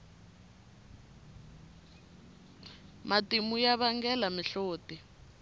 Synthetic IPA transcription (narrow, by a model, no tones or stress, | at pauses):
matimujaβaŋɡɛlamiɬoːti